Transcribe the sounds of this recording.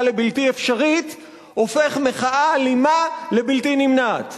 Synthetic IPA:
le̞biltiefʃaʁit̪ | o̞fe̞χmeχaʔalimale̞biltinimnat̪

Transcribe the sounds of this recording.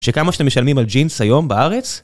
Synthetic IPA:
ʃekamaʃe̥t̪emeʃalmimald͡ʒinshajo̞mbaaʁe̞t͡s

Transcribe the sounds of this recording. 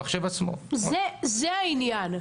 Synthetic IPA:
χʃevat͡smo̰zɛzɛainjan

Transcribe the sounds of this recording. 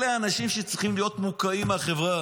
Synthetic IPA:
leanaʃimʃet͡sʁiχimlijo̞t̪mukaimaχevʁa

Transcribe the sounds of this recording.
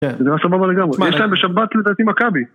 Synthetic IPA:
zeniʁasababale̞ɡamʁejeʃlaembeʃabat̪led̪aːt̪imakabi

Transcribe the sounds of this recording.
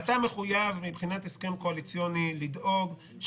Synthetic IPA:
at̪ame̞χujavmibχinat̪eske̞mko̞alit͡sjonilid̪ʔo̞ɡ | ʃ

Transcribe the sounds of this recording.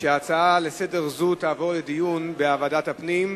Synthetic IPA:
ʃeat͡saale̞sede̞ʁzut̪aːvo̞ʁled̪ijunbeavadat̪hapnim

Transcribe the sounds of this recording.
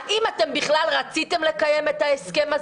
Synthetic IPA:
ʔimat̪e̞mbiχlalʁat͡sit̪e̞mle̞kajeme̞taeske̞maz

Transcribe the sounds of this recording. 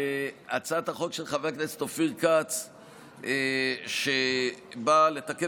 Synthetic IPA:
at͡sat̪haχo̞kʃelχaveaknest̪ofiʁkat͡s | ʃebalet̪ake

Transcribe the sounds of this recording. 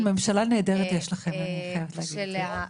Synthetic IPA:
memʃalaneːdeʁet̪jeʃlaχe̞maniχajavet̪leːɡid̪e

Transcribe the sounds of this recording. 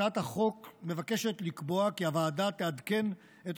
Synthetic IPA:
athaχo̞kme̞vake̞ʃe̞t̪likbo̞akiavaːdat̪ead̪ke̞n | et

